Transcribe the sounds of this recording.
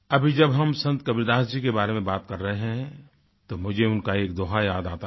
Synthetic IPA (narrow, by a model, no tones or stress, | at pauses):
ɐbʱid͡ʒɐbɦɐmsɐ̃nt̪kɐbɪɾd̪aːsd͡ʒikebaːɾemẽbaːt̪kɐɾːɐɦeɦɛ̃ | t̪omʊd͡ʒʱeʊnkaeːkd̪oːɦajaːd̪aːt̪a